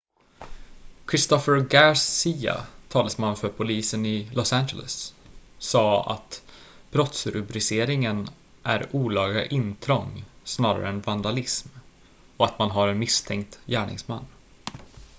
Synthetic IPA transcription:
kʰɾɪst̪ɔfəɾɡaɾsiːa̰t̪ʰɑːləsmanːfœɾpʰʊliːsənɪlɔsænd͡ʒə̰lə̰sː | ɑːa̰t̪b̥ɾɔt̪sɾɵbɾɪseːɾɪŋən | ʔæɾuːlɑːɡa̰ʔɪnt̪ʰɾɔŋːsnɑːɾa̰ɾə̰ɛnvand̪alɪsm | ɔat̪manɦaɾɛnmɪst̪ʰɛŋk̚t̪jæːɳɪ̰ŋsma̰nː

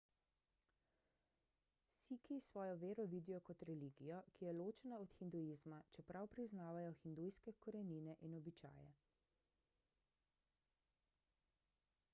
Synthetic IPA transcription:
sikisʋɔːjɔʋeːɾɔʋiːd̪ijɔkɔt̪ɾɛliːɡijɔkijɛloːt͡ʃɛnaɔt̪xind̪ujizmat͡ʃɛpɾawpɾiznaːʋajɔxind̪ujskɛkɔɾɛniːnɛʔinɔbit͡ʃa̰ːjɛ̰

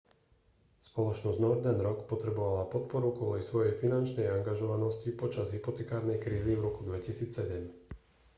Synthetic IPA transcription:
spɔlɔt͡ʃnɔzɟnɔɾd̪anɾɔkpɔt̪ɾɛbɔʋalapɔt̪̚pɔɾukʊɔlɛjsʋɔjɛjfinant͡ʃnɛjaŋɡaʒɔʋanɔscipɔt͡ʃazɦipɔt̪ɛkaːɾnɛjkɾiːzivɾɔkud̪ʋɛcisiːt͡ssɛɟɛm

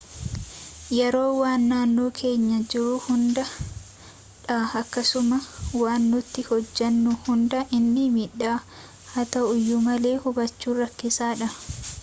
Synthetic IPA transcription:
jɛɾo̞ːwaːnːaːnːo̞ːkʰe̞ːɲːɐd͡ʒɪɾʊhʊnd̪ɐ | ᶑaɐkːɐsʊmɐwaːnːʊt̪ːɪhɔd͡ʒːɐnːʊhʊnd̪ɐʔɪnːɪmiᶑːaː | hɐt̪ɐʔʊjːʊmɐle̞ːhʊbɐt͡ʃːuːrɐkːɪsaːᶑɐ

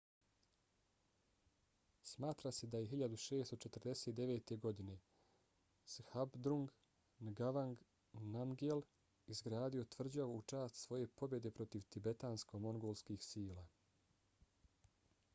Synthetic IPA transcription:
smaːt̪ɾase̞d̪ajeɦiʎad̪uʃe̞ːst̪o̞t͡ʃe̞t̪r̩d̪eset̪̚d̪e̞ʋe̞ːt̪e̞ɡo̞d̪ine̞ | shabd̪ɾuŋɡ | nɡaʋaŋɡ | namɡel | izɡɾaːd̪io̞t̪ʋr̩d͡ʑaout͡ʃaːst̪sʋo̞je̞po̞bjed̪e̞pɾo̞t̪iʋt̪ibe̞t̪aːnsko̞mo̞ŋɡoːlˠskixsiːlaː

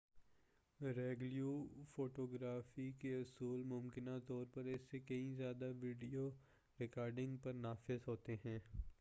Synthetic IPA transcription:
ɾeːɡljuːfoːʈoːɡɾaːfikeʊsuːlmʊmkɪnat̪ɔːɾpɐɾɪsːekɐɦĩzjaːd̪aʋiːɖijo | ɾɪkaːɾɖɪ̃ŋɡpɐɾnaːfɪzɦoːt̪eɦɛ̃ː

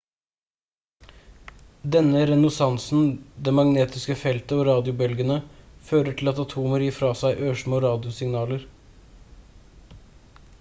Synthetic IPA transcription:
d̪ɛnəɾɛnʊsɑnsn̩d̪ɛmɑŋneːt̪ɪskəfɛlt̪əoːɾɑːd̪ɪʊbœlɡənəføːɾəʈʰɪlɑt̪ɑt̪ʰuːməɾjiːfɾɑːsæɪʔøːʂmoːɾɑːd̪ɪʊsɪŋnɑːləɾ

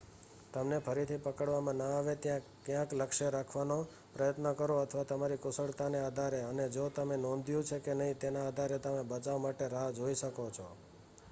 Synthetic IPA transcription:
t̪əmnepʰəɾit̪ʰipəkəɽʋamãnaaʋet̪jãkjãkləkʃeɾakʰʋano | pɾəjət̪nəkəɾoət̪ʰʋat̪əmaɾikʊsəɭt̪anead̪ʱaɾeəned͡ʒot̪əmenɔ̃nd̪ʱjũt͡ʃʰekenəɦĩt̪enaːd̪ʱaɾet̪əmẽbət͡ʃaʋmaʈeɾaɦad͡ʒoiʃəkot͡ʃʰo

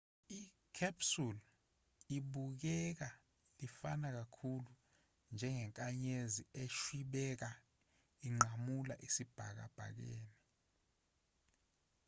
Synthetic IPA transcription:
i | kʰapsul | iɓuk̬ɛk̬a | lifanak̬akʰulu | nd͡ʒʱɛŋɛŋkʼaɲezieʃwiɓɛk̬a | iŋ͡ǃʱamula̰ʔisib̥ʱa̰k̬a̰b̥ʱa̰k̬eːni

